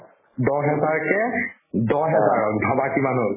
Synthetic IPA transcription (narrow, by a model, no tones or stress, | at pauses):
dɔɦɛzaɹkɛ | dɔɦɛzaɹɔk̚bʱabakimanɦol